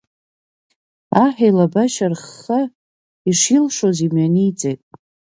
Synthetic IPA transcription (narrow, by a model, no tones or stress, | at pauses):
aħᶣajlabaʃarχːa | iʂilʂozimɥaniːt͡sʼejtʼ